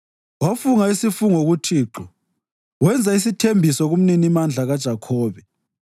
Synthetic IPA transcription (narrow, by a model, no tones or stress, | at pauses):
wafuŋaisifuŋoɣutʰiːǁɔ | wɛnd͡zʱaisitʰembʱisɔɣum̩ninimand͡ɮʱaɣad̥ʒ̥ʱakʰɔːβɛ